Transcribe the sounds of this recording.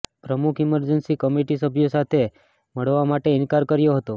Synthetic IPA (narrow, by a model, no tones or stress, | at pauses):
pɾəmukʰiməɾd͡ʒənsikəmiʈisəbʱjosat̪ʰe | məɭʋamaʈeɪnkaɾkəɾjoɦət̪o